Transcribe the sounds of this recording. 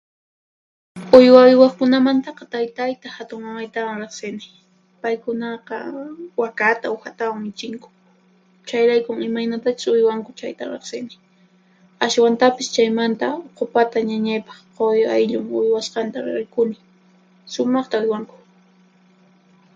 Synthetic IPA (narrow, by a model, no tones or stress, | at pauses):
ʊjwaʊjwɑχkʊnamant̪ɑqɑt̪ajt̪ajt̪ahat̪ʊŋmamajt̪awaŋɾeχsɪnɪ | pajkʊnɑqɑ̰wakat̪aoxat̪awaŋmɪt͡ʃɪŋkʊ̥ | t͡ʃajɾajkʊŋɪmajnat̪at͡ʃʊ̥sʊjwaŋkʊt͡ʃajt̪a̰ɾḛχsɪnɪ | aswant̪apɪst͡ʃajmant̪aoqʊpat̪aɲaɲajpɑ̥χqojajʎʊŋʊjwasqɑnt̪aɾɾɪjkʊnɪ | sʊmɑχt̪aʊjwaŋkʊ̥